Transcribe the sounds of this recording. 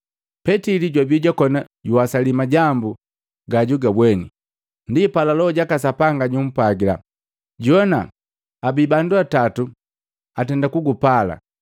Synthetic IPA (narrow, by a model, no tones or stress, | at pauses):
pɛtiliɟwabjuɟakɔna | ɟuasalimaɟambu | ɡaɟuɡabwɛnḭ | ndipalalɔɔɟakasapaŋɡaɟum̩paɡila̰ | ɟɔna̰ | abibanduatatu | atɛndakuɡupala̰